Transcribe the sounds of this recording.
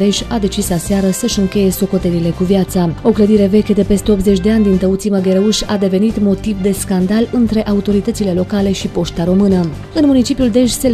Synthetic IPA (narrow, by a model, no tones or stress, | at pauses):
d̪e̞ʃʲad̪e̞t͡ʃislaseaɾəsəʃɨŋkʲe̞je̞so̞ko̞t̪eɾile̞kuvjat̪sao̞kləd̪iɾe̞ve̞kʲed̪e̞pe̞st̪e̞o̞pt̪ze̞t͡ʃʲd̪e̞anʲd̪int̪əut̪siməɡe̞ɾeuʃʲad̪e̞ve̞nit̪mo̞t̪ivd̪e̞skand̪alɨnt̪ɾe̞ʔaut̪o̞ɾit̪ət̪sile̞lo̞kale̞ʃipo̞ʃt̪aɾo̞mɨnə | ɨnmunit͡ʃipiuld̪e̞ʃʲse̞